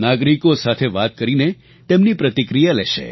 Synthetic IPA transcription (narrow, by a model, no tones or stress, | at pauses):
naɡɾikosat̪ʰeʋat̪kəɾine | t̪emnipɾət̪ikɾijalɛʃḛ